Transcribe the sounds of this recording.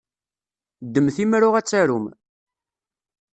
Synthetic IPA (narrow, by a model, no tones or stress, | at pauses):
d̪ːəmθimɾʊʁæt͡sːæɾum